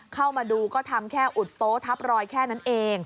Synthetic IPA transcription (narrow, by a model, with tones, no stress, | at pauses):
kʰa˥˩wmaː˧duː˧kɔː˥˩t̪ʰa˧mkʰɛː˥˩ʔu˨˩t̪̚poː˦˥t̪ʰa˦˥p̚ɾɔː˧jkʰɛː˥˩na˦˥nʔeː˧ŋ